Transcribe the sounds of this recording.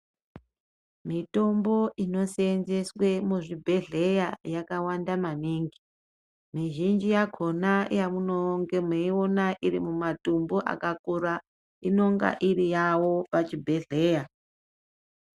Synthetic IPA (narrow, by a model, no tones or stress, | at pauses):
mito̞mbo̞ʔino̞seenze̞swe̞muʐibʱe̞ɮe̞jajakawandamaniŋɡi | miʒind͡ʒijakʰo̞najamuno̞ŋɡe̞meio̞naʔirimumatumbuʔa̰kakuɾa | ino̞ŋɡa̰ʔiɾijawo̞pat͡ʃibʱe̞ɮe̞ːja